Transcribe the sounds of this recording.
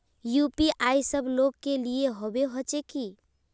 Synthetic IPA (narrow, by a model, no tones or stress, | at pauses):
jupiʔajsəbʱloɡkːelieɦobeɦət͡ʃeki